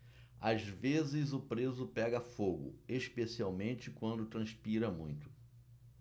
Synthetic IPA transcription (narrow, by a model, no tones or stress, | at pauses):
azvezɪzʊpɾezʊpɛɡɐfoɡʊ̰eʃpesiawmẽnt͡ʃɪkwɐ̃nd̪ʊt̪ɾɐ̃spiɾɐmũj̃t̪ʊ̥